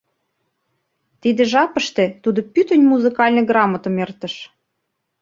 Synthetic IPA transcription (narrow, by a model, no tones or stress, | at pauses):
t̪id̪ĕʒɑpə̆ʃt̪ĕt̪ud̪opyt̪ənʲmuzɨkɑlʲnɤ̆ɡrɑmət̪ə̆mert̪ə̆ʃ